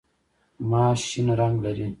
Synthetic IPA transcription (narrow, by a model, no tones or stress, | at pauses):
maːɕinɾɐŋɡlɐɾi